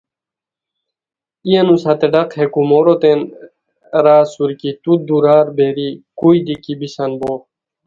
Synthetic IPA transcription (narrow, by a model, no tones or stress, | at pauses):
ijenusɐt̪eɖɐqhekumoɾot̪en | ɾaːsuɾkit̪ud̪uɾaːɾbeɾikuid̪ikibisɐnboː